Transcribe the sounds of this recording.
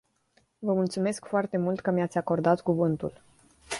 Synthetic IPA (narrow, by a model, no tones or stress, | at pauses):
vəmult̪sume̞skfoart̪e̞mult̪kəmijat̪sʲako̞rd̪at̪kuvɨnt̪ul